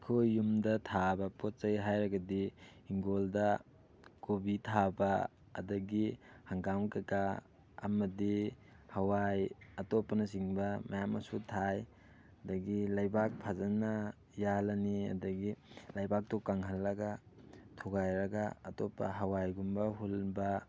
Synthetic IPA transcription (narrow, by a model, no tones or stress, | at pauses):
kʰoːumdɐtʰabɐpot̚t͡ʃɐjɦajɾɐɡɐdihiŋɡoldɐ | kobitʰabɐ | ɐ̰dɐɡihaŋɡamkaɡa̰ː | mɐdi | hɐwajɐtopːɐnɐs̬iŋbɐmɐ̰jamːɐsutʰaj | ɐdɐɡilajbak̚pʰazɐnːɐ | jalɐniɐ̰dɐɡilajbak̚tɔkaŋɦɐlːɐɡa | tʰoɡajɾɐɡa̰ːtɔpːɐ̰ɦɐwajɡumbɐɦulbɐ